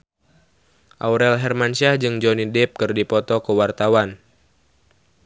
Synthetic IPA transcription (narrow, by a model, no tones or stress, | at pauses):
ʔauɾɛlɦɛrmansiahd͡ʒɨŋd͡ʒɔnidɛp̚kɨrdipɔt̪ɔkəwart̪awan